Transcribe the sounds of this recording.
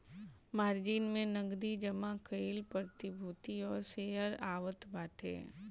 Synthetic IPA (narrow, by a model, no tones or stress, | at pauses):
maːɾd͡ʒiːnmẽnɐɡd̪id͡ʒəmakəɪlpɾəɾt̪ɪbʱuːt̪iɔːɾseːəɾaːʋət̪baːʈʰḛː